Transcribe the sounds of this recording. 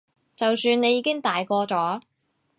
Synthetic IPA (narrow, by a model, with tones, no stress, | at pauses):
t͡sɐ˨wsyː˧nne˨˧jːiː˨˧kɪ˥ŋt̪aː˨jkɔː˧t͡ʃɔː˨˥